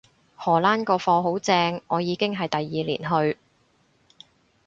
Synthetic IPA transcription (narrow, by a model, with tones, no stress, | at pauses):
hɔː˨˩laː˥nkɔː˧fɔː˧ɦo˨˥wt͡sɛː˧ŋɔː˨˧jiː˨˧kɪ˥ŋɦɐ˨jt̪ɐ˨jːiː˨lḭː˨˩nɦɵ˧ɥ